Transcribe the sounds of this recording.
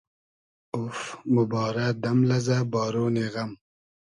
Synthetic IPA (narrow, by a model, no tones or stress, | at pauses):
ʊfmʊbɑːɾad̪amlazabɑːɾoːneɣam